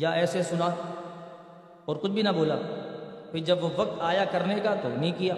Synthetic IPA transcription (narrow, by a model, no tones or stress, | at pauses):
jaɛːsesʊna | ɔːɾkʊt͡ʃʰbʱinɐboːla̰ | pʰɪɾd͡ʒɐbʋoʋɐk̚t̪aːjakɐɾnekat̪o̰nɐɦĩkijaː